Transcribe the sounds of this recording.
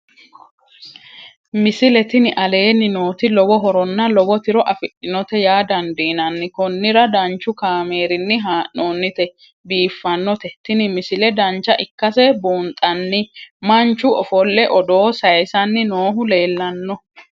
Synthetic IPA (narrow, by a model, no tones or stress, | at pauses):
mɪsɪlɛt̪ɪnɪʔɐle̞ːnːɪno̞ːt̪ɪlɔbɔɦɔɾɔnːɐlɔbɔt̪ɪɾɔʔɐfɪɗɪnɔt̪ɛjaːd̪ɐnd̪iːnɐnːɪkɔnːɪɾɐd̪ɐnt͡ʃːʊkaːmeːɾɪnːɪɦaːʔoːnːɪt̪ɛ | biːfːɐnːɔt̪ɛt̪ɪnɪmɪsɪlɛd̪ɐnt͡ʃːɐʔɪkːɐsɛbuːnt̪ʼːɐnːɪmɐnt͡ʃːʊʔɔfɔlːɛʔɔd̪o̞ːsɐjsɐnːɪnoːɦʊle̞ːlːɐnːɔ